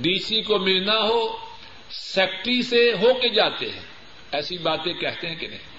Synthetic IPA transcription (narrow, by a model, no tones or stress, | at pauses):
ɖiːsikomɪlnaɦoː | sɛːk̚ʈɾiseɦoːked͡ʒaːt̪eɦɛ̰̃ː | ɛːsibaːt̪ẽkɛɦt̪eɦɛ̃kɪnɛ̰̃ĩ